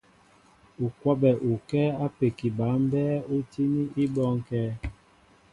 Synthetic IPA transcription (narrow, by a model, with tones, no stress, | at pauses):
u˨kwa˦bɛ˨ʔu˨kɛː˦a˦pe˨ki˨ba˨˦m˦bɛ˦u˦ti˦ni˦i˦bɔ˦ŋ˦kɛː˦